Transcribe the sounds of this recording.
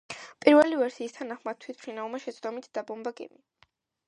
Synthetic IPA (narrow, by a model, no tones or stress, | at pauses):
pʼiɾvɛlivɛɾsiːst̪ʰanaχmad̪̥̚t̪ʰwit̪ʰpʰɾinavlˠmaʃɛt̪sʰd̪ɔmit̪ʰd̪̥abɔmbaɡɛ̰mi